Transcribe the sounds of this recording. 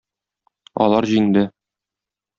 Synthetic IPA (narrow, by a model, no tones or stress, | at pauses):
ɒ̰lˠɑɾʑijɘ̆nd̪ɘ